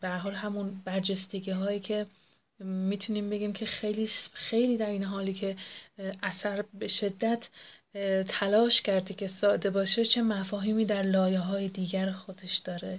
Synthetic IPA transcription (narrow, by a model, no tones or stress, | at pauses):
behæɾɦɒːlɦæmunb̥æɾd͡ʒest̪eɡiːɦɒːjiːcʰe̞ | miːt̪ʰuniːmbe̞ɡiːmcʰe̞xejliːsxe̞jliːd̪æɾiːnɦɒːliːcʰe̞ʔæsæɾbe̞ʃe̞d̪ːæt̪ʰ | t̪ʰːælɒːʃcʰæɾd̪icʲʰe̞sɒːed̪e̞bɒːʃe̞t͡ʃʰe̞mæfɒːɦiːmiːd̪æɾlɒːjeɦɒːjed̪iːɡæɾxod̪e̞ʃd̪̥ɒːɾe̞